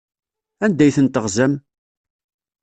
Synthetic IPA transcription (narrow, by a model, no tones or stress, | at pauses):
ænd̪æjθənt̪əʁzæm